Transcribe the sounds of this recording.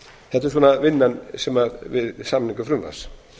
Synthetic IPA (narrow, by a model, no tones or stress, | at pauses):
θɛht̪ɪɾs̬uɔːnavɪnːansɛmaɾvɪðsamniŋkʏfɾʏmva̰s